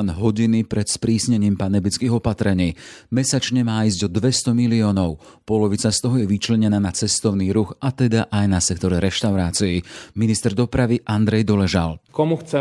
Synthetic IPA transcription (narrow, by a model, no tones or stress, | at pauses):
nɦɔɟinipɾɛt̪spɾiːsɲɛɲiːmpanɛbit͡skiːɣɔpat̪ɾɛɲiːmɛsat͡ʃɲɛmaːizɟɔd̪ʋɛst̪ɔmiliɔːnɔʊ | pɔlɔʋit͡sast̪ɔɦɔjɛʋit͡ʃlɛɲɛnaːnat͡sɛst̪ɔʊniːɾuxat̪ɛd̪aʔajnasɛkt̪ɔɾɛɾɛʃt̪aʊɾaːt͡siiminist̪ɛɾd̪ɔpɾaʋiʔand̪ɾɛjd̪ɔlɛʒa̰lkɔmuxt͡sɛ